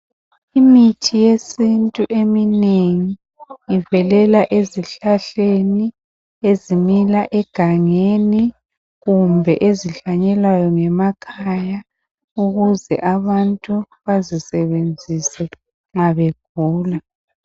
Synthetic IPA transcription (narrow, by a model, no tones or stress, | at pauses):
imitʰijesintʼuʔemineŋi | jivɛlɛlaʔeziɬaɬeni | ezimilaʔɛɡ̥ʱaŋeni | ɣumbʱɛʔeziɬaɲɛlwajɔŋɛmakʰaja | uɣuzɛ̰ʔaβantʼu | βazisɛβend͡zʱisɛ | ŋaβeɡ̥ʱuːla